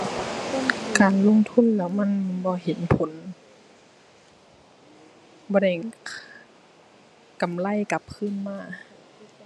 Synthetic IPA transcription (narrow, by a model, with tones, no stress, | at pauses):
kaː˨˩nlo˧˥˨ŋt̪ʰu˧˥˨nlɛː˧˥wma˧˥˨nbɔː˧˦ɦe˨˦npʰo˨˦n | bɔː˧˦da˧˩j | ka˨mla˧˥˨jka˧˦p̚kʰɯː˧˥˨nmaː˧˥˩